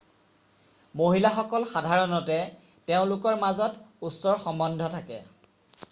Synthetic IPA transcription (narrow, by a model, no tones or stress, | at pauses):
moɦilaxɔkɔlxadʱaɹɔnɔtɛ | teʊ̃lʊkɔɹmazɔtusɔɹxɔmbɔndʱɔtʰakɛ̰